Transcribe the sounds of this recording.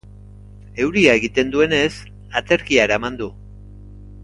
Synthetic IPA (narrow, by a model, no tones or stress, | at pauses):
e̞wɾiae̞ɣit̪e̞nd̪ue̞ne̞s | at͡s̪e̞ɾkiaeɾaemand̪u